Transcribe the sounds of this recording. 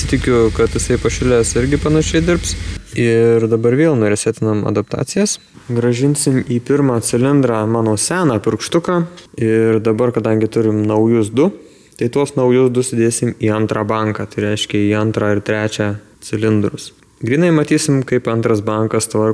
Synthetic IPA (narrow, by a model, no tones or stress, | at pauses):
t̪ʲɪkʲʊkɐt̪jɪsɐɪpɐʃʲɪlʲæːsɪɾʲɡʲɪpɐnɐʃʲɛɪd̪ʲɪrpsɪrd̪ɐbɐɾʋʲeːlˠnoːɾʲɪsʲæːt̪ʲɪnɐmɐ̰d̪ɐp̚t̪ɑ̰ːt̪sʲɪjɛs | ɡɾɐʒʲɪnʲsʲɪmiːpʲɪɾmɑːt͡s̪ʲɪlʲɪnd̪ɾɑːmɑːnoːsʲæːnɑːpʲɪɾkʃt̪ʊkɑːɪrd̪ɐbɐrkɐd̪ɐŋʲɡʲɪt̪ʊɾʲɪmnɐʊjʊsd̪ʊ | t̪ɐɪt̪uɔsnɐʊjʊsd̪ʊsʲɪd̪ʲeːsʲɪmiːɐnt̪ɾɑːbɐŋkɑːt̪ɐɪɾʲɛɪʃʲkʲɛiːɐnt̪ɾɑːɪɾt̪ʲɾʲæːt͡ʃʲæː | t͡s̪ʲɪlʲɪnd̪ɾʊs | ɡɾʲiːnɐɪmɐt̪ʲiːsʲɪmkɐɪpɐnt̪ɾɐsbɐŋkɐst̪ʋɐr